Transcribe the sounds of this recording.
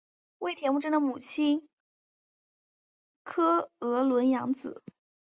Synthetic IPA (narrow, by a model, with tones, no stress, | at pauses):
we˥˩ɪt̪ʰjɛ˧˥mu˥˩ʈ͡ʂə˥nd̪ə˧˩mu˨˩t͡ɕʰi˥n | kʰɤ˥ɤ˧˥lwə˧˥njɑ˧˥ŋt͡sɹ̩˨˩˦